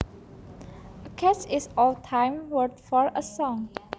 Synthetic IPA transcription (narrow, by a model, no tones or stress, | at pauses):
əkʰɛt͡ʃɪsɔltʰãɪmwətfɔɹəsɔ̃ŋ